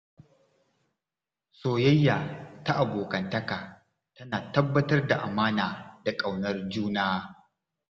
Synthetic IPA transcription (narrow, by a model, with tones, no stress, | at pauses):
soː˨jɐ˦jːaː˨ta˦ʔa˨boː˨kɐ˨ntɐ˦kaː˨ | tɐ˦naː˨tɐ˦bːɐ˦tɐ˦rda˨ʔa˨maː˦naː˨da˨kʼa˨wnɐ˦rd͡ʒuː˦naː˦